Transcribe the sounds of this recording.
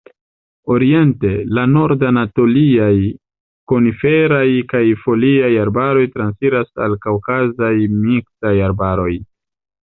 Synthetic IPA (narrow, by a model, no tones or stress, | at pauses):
o̞ɾie̞nte̞lano̞ɾdanato̞liaj | ko̞nife̞ɾajkajfo̞liajaɾbaɾo̞jtɾansiɾasa̰lkawkazajmiksajaɾbaɾo̞j